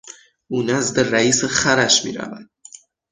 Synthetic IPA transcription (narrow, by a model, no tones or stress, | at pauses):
uːnæzd̪eræiːsexæɾæʃmḭːɾæ̰væ̰d̪̥